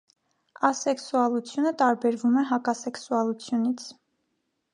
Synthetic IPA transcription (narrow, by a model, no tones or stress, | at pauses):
ɑsɛksuɑlut͡sʰjunət̪ɑɾbɛɾvumɛɦɑkɑsɛksuɑlut͡sʰjunit͡sʰ